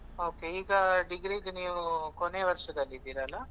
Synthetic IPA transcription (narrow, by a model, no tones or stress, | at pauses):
oːke̞iːɡɐɖiɡɾiːd̪niːʋukone̞ːʋɐɾʂɐd̪ɐlːid̪iːɾaːlːa